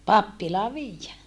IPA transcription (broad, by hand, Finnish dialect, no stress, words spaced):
pɑpːilɑː ʋiːjːæ